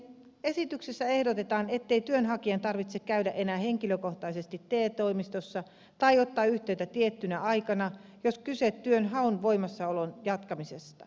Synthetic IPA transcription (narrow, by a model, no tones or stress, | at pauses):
esit̪yksesːæe̞hdot̪et̪ɑːne̞t̪ːeit̪yønɦɑkiɑnt̪ɑrʋit̪sekkæydæʔe̞næːhe̞ŋkiløko̞ht̪ɑise̞st̪it̪ːeːt̪oimist̪osːɑ | t̪ɑjot̪ːɑːyht̪eyt̪æt̪iet̪ːynæɑikɑnɑjoskyset̪tːyønɦɑunʋoimɑsːɑolonjɑt̪kɑmisest̪ɑ